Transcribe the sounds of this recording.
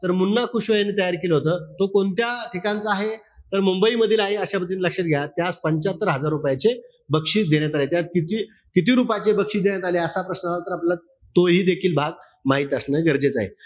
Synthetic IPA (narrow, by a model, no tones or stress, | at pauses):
t̪əɾmunːakʰuɕʋəjanːiːt̪əjaɾkeləɦot̪əːt̪okont̪jaʈʰikant͡səaɦe | t̪əɾmumbəiməd̪ʱiːlaɦeəɕapəd̪iːnləkʂəɾɡʱjaat̪ːjat͡spəɲt͡ɕat̪ːəɾɦəd͡zaɾːupjat͡ɕe | bəkʂiːd̪eɳjat̪alet̪jat̪kit̪iː | kit̪iːɾupat͡ɕebəkʂiːd̪eɳjat̪aleəsapɾəsnəaat̪əɾaplela | t̪oɦiːd̪ekʰiːlbʱaɡ̚ | maɦiːt̪əsnəɡəɾd͡zet͡sa̰ɦḛ